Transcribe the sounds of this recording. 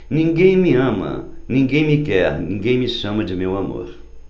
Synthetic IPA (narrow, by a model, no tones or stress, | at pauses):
nĩŋɡẽj̃miɐ̃mɐ̰nĩŋɡẽj̃mikɛɾnĩŋɡẽj̃miʃɐ̃mɐd͡ʒɪmewamo̰ɾ